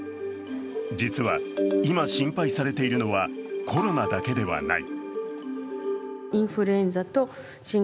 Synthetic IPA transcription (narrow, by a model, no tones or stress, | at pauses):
d͡ʑit͡sɨβa̰imaɕĩmpaisaɾe̞t̪e̞iɾɯ̟no̞βakʰo̞ɾo̞nad̪ake̞d̪e̞βa̰na̰ḭ | ĩɰ̃ɸɯ̟ɾɯẽ̞nd͡zat̪o | ɕĩ